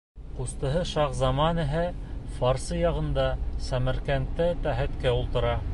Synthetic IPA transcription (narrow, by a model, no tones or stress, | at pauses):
qust̪ɤ̆ɦɤʃɑqzɑmɑnɘ̆ɦæfɑɾsɤjɑʁɤ̆nd̪ɑsæmæ̆ɾkænt̪ːɘt̪æɦæt̪kæulˠt̪ɤ̆ɾɑ